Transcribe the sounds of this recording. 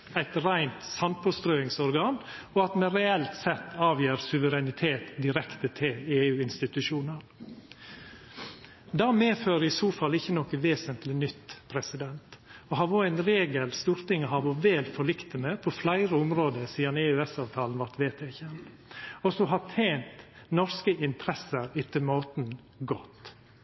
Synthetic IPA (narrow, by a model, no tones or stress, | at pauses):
æɪt̪ɾæɪnt̪sɑnpʰɔst̪ɾøːɪŋsɔɾɡɑːn | ɔɑt̪mɛɾɛɛlt̪sɛt̪ːɑːʋjeːɾsʉʋəɾɛnɪt̪ʰeːt̪d̪ɪɾɛkt̪ət̪ʰɪleːʉːɪnst̪ɪt̪ʉʃuːnəɾ | d̪ɑːmeːføːɾəɪsuːfɑlɪçːənɔkəʋeːsənt̪lɪnʏt̪ːpʰɾɛsɪd̪ɛnt̪ɔhɑʋoːæɪnɾeːɡəlst̪uːɾt̪ɪŋəhɑːʋɔʋeːlfɔɭɪkt̪ənəpʰɔflæɪɾəʊmɾoːd̪əsiːɑneːʉːɛsɑːʋt̪ʰɑːln̩ʋɑɾt̪ʋeːt̪ʰeːçɛnt̪ | ɔsɔɦɑt̪ʰeɪnt̪ | nɔɾskəɪnt̪ʰɾɛsəɾɪt̪əmoːt̪n | ɡɔt̪